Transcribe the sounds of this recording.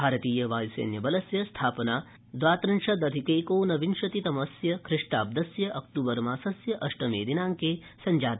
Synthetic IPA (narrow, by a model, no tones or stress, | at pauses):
bʱaːɾɐt̪iːjɐʋaːjisḛːnjɐbɐlɐsjɐst̪ʰaːpɐnaː | d̪ʋaːt̪ɾɐnʂɐd̪ɐd̪ʱikeːkoːnɐʋinʃɐt̪it̪ɐmɐsjɐkʰɾɪʂʈaːb̚d̪ɐsjɐʔɐkt̪uːbɐɾmaːsɐsjɐʔɐʂʈɐmeːd̪inaːŋkeː | sɐɲd͡ʒaːt̪i